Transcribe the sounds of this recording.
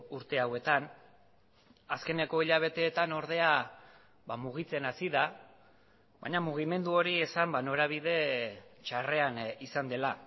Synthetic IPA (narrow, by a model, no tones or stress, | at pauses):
uɾt̪e̞awe̞t̪an | aske̞ne̞ko̞iʎaβ̞e̞t̪e̞ːt̪ano̞ɾð̞e̞a | βamuɣ̞it͡se̞nasiða | βa̰jɲamuɣ̞ime̞nd̪uo̞ɾie̞sambano̞ɾaβ̞iðe̞t͡ʃare̞anisand̪e̞la